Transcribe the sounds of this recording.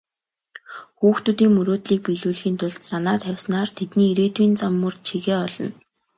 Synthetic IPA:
xuːxt̪ut̪iːŋmɵɾoːt̪ɮiːk̚piɮuːɮxiːnt̪ʰʊɮt̪sanaːt̪ʰæwʲsnaːrt̪ʰet̪niːiɾeːt̪wiːnt͡samːɵ̆rt͡ɕʰiɣeːɔɮɞ̆n

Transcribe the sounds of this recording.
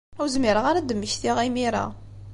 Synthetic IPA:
æwzmɪɾəʁaɾad̪əmːəçθiʁimiɾa̰

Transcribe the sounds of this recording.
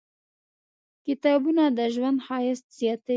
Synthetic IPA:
kɪt̪ɑbunad̪əʒwand̪xɑjɪst̪sijɑt̪e

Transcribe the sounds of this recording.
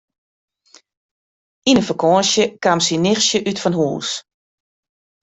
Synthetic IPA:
inəfəkʰɔːənsjəkamsinɪxsjəʔytfɔnhṵːs

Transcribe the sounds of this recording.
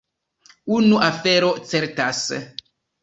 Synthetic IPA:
unuʔafeɾot͡seɾtas

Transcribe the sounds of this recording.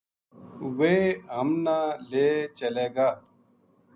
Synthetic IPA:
weːɦəmnãːleːt͡ʃəleːɡaː

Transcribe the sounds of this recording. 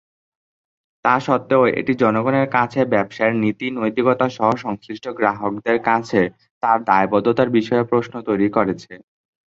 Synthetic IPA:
t̪aɾʃɔt̪ːeoḛʈid͡ʑɔnoɡoneɾkat͡ɕʰebɛbʃaeɾnit̪inojt̪iɡɔt̪aʃɔɦoʃɔŋsɾiʃʈoɡɾaɦok̚d̪eɾkat͡ɕʰe | t̪aɾd̪aebɔd̪ot̪aɾbiʃɔepɾosnot̪ojɾikoɾet͡ɕʰe

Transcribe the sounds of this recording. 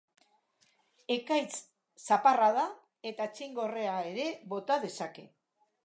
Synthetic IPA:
e̞kajt͡s | saparaða | e̞t̪at͡siŋɡo̞re̞ae̞ɾe̞βo̞t̪aðe̞sake̞

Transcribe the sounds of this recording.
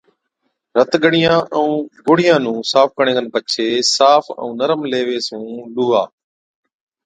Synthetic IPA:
ɾət̪ɠəɽɪjãːʔəũːɡʊːɽɪjãːnũːsaːfkəɳ̃ẽːkənpət͡ʃʰeːsaːfə̰ũːnəɾəmleːʋeːsũːɗuːɦaː

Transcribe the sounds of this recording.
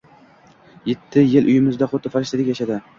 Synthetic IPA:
jet̪ʰːɪjɪlʔʊjɪmɪzd̪aχʊt̪ːɪfaɾɪʃt̪ɪd̪ɪkʲjaʃad̪ɪ

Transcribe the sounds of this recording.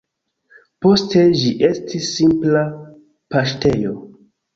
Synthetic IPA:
po̞ste̞ʒiʔe̞stʰisːimpla | paʃte̞jo

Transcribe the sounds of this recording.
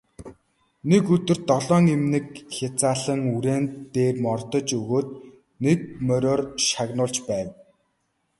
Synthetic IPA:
nekɵt̪ɵ̆r̥t̪ːɔɮɔːŋemnɘ̆kxat͡saːɮə̆ŋuɾeːneːrmɔrt̪ɞ̆t͡ɕɵɣoːt̪̚ | nek̚mœɾʲɔːrʃaɣnʊːɮt͡ɕpæːw

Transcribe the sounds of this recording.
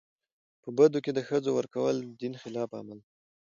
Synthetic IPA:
pəbad̪oked̪əxəd͡zowəɾkawəld̪inxɪlɑfa̰mal

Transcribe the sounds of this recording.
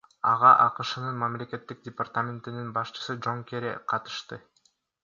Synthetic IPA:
ɑʁɑʔɑqɯʃɯnɯnmamle̞ke̞t̪ːik̚dʲɪpart̪amʲɪnt̪ininbɑʃt͡ʃɯ̥sɯd͡ʒo̞ŋkeɾḛqʰɑt̪ɯ̥ʃt̪ɯ

